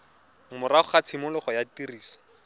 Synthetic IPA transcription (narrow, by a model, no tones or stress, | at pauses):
ŋ̩mʊraχʊχat͡sʰɪmʊlʊχɔjatiriːsɔ̥